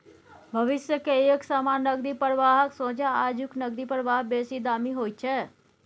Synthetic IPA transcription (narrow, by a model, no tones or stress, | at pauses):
bʱəʋɪsjəkeeksamaːnnːəɡɾipəɾəʋaːɦəksõːd͡ʒaad͡ʒuknəɡɾipəɾʋaːɦbesid̪aːmiɦoːjt̪̚t͡ʃʰɛ